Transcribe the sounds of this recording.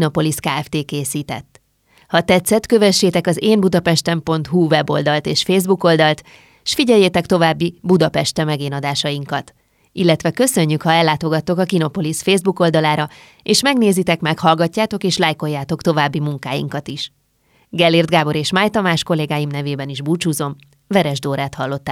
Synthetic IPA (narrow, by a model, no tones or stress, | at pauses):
no̞po̞liskaːɛft̪eːkeːsiːt̪ɛ̰t̪ː | hɒt̪ɛt̪sːɛt̪kø̞vɛʃːeːt̪ɛkɒzeːmbud̪ɒpɛʃt̪ɛmpo̞nt̪ɦuvɛbo̞̰ld̪ɒlt̪eːʃfeːzbuko̞ld̪ɒlt̪ | ʃfiɟɛjːeːt̪ɛkt̪o̞vaːbːibud̪ɒpɛʃt̪ɛmɛɡeːnɒd̪aːʃɒjiŋkɒt̪ | ilːɛt̪ʋɛkø̞sø̞ɲːykhɒɛlːaːt̪o̞ɡɒt̪ːo̞kɒkino̞po̞lisfeːzbuko̞ld̪ɒlaːɾɒ | eːʃmɛɡneːzit̪ɛkmɛkhɒlɡɒcːaːt̪o̞keːʃlajko̞jːaːt̪o̞kt̪o̞vaːbːimuŋkaːjḭŋkɒt̪iʃ | ɡɛlːird̪ɡaːbo̞ɾeːʃmaːjt̪ɒmaːʃko̞lːeːɡaːjimnɛveːbɛniʒbuːt͡ʃuːzo̞m | vɛɾɛʒd̪oːɾaːt̪hɒlːo̞t̪ːa